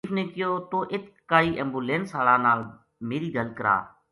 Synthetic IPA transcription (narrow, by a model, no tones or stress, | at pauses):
fʰneːkɪjoːt̪oːʔɪt̪kaːiːʔɛ̃ːmbuːlẽːnsaːɽaːnaːl | meːɾiːd̪əlkəɾa̰ː